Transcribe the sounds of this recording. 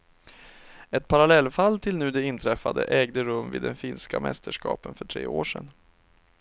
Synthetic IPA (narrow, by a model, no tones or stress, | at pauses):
ɛt̪̚pʰaɾalɛlːfalːt̪ʰɪlnʉ̟ːd̪ɛɪnt̪ʰɾɛfːad̪ə̰ʔɛːɡd̪əɾɵmːvɪiːd̪ɛnfiːnskamɛ̰st̪ʰəʂkɑ̰ːpənfœʈʰɾḛːoːʂɛn